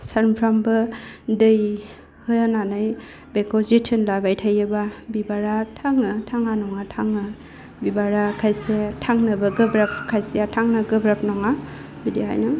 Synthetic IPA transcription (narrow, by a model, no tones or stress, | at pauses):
saɾmpʰɾambɯdɯj | hɯjananaj | bekɔzitʰinlabajtʰajababibaɾatʰaŋɯtʰaŋanɔŋatʰaŋɯ | bibaɾakʰajsiatʰaŋnɐbaɡɯbɾap̚ʰkʰajsijatʰaŋnaɡɯbɾap̚nɔŋa | bideɦa̰jnɯ